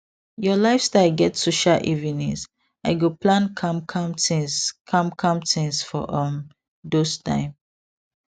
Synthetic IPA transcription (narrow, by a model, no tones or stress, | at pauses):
jɔlaɪfstaɪlɡɛtsoʃaʔivinɛ̰s | aɪɡoplãnkʰãmkʰãmtĩskʰãmkʰãmtĩnsfɔʔʌ̃m | dostã̰ɪ̃m